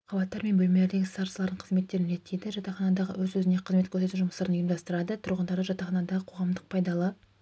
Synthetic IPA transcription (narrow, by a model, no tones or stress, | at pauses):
qʰɑbɑt̪ːɑɾme̞nbɵlme̞le̞ɾd̪e̞ɡʲɪsɑɾsəlˠɑɾd̪əɴqʰəzme̞t̪ːe̞ɾɪnɾe̞t̪ːejd̪ɪʒɑt̪ɑχɑnɑd̪ɑʁə̰wɵzɵzɪne̞qʰəzme̞t̪kʲʰɵɾse̞t̪uʒʊməst̪ɑɾənjmd̪ɑst̪əɾɑd̪ət̪ʰʊɾʁənd̪ɑɾd̪ʒɑt̪ɑχɑnɑd̪ɑʁəqʰo̞ʁɑmd̪əq̚pʰɑjd̪ɑlˠə